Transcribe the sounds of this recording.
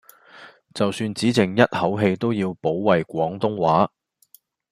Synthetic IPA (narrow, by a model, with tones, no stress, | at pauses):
t͡sɐ˨wsyː˧nt͡siː˨˥t͡sɪ˨˩ŋjɐ˥t̚hɐ˨˥wɦe˧jt̪o˥wjiː˧wpo˨˥wːɐ˨jkʷɔː˨˥ŋt̪ʊ˥ŋwaː˨˥